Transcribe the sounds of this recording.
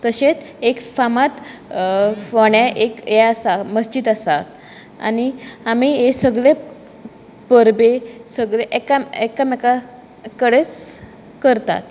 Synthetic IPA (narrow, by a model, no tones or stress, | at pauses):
t̪əɕet͡sekfamat̪ | ʋaɳjaʔekjɛasaməsd͡ʑid̪asat̪ | a̰niamiesəɡɭe | pəɾbesəɡɭeʔekamekameka | kəɽet͡s | kəɾt̪a̰t̪̚